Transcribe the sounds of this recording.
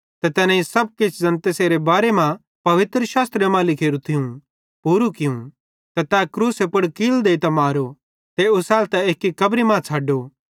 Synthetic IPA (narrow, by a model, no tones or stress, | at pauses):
t̪ɛt̪ɛːnãisɐb̚kɪt͡ʃʰzɐ̃nt̪eseːɾebaːɾemã | pɐʋɪt̪ɾəʃaːst̪ɾemãlɪkʰeːɾut̪ʰɪũ | puːɾukɪũ | t̪ɛt̪akɾuːsepʊɽkiːld̪eːit̪ɐmaːɾo | t̪eʊsaːlt̪ɛeːkːikɐbɾimãt͡sʰaːɖoː